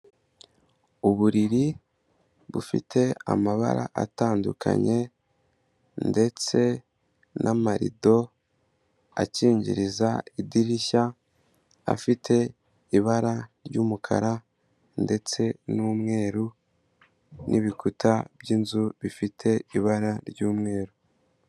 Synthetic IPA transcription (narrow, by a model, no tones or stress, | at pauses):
uβuɾiɾi | βufḭtʰe̞a̰maβa̰ɾa̰ʔataːndukʰa̰ɲe̞ | nde̞t͡se̞ | nʔamaɾḭdo̞ | a̰ciːɲɟḭɾizaidiɾiça | a̰fitʰe̞ | iβaɾaɾɟuːmukʰa̰ɾa | nde̞t͡se̞nuːmŋe̞ːɾu | nʔḭβikutʰab̥ɟinzuβifitʰe̞iβaɾaɾɟuːmŋe̞ːɾu